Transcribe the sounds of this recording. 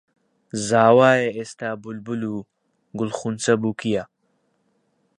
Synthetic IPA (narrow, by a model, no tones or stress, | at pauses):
zaːwaːjeest̪aːbulbulu | ɡʊlχunt͡sɐbukija